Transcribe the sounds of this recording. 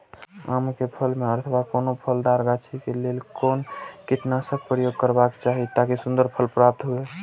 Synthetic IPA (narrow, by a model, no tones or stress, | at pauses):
amkepʰəlmeɔəɾt̪ʰbakonopʰəld̪aɾɡat͡ʃʰikelelkoːnkɪt̪nasək̚pɾəjoɡ̚kəɾbakt͡ʃaɦit̪akisʊ̃nd̪əɾpʰəlpɾap̚t̪ɦue